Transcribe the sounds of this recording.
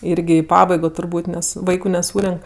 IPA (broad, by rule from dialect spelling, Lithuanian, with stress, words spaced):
ˈɪrʲɡʲɪ ɪ ˈpɑːbɐɪɡoː tʊrˈbuːtʲ ˈnʲɛs ˈʋɐɪkʊ nʲɛˈsuːrʲɛŋk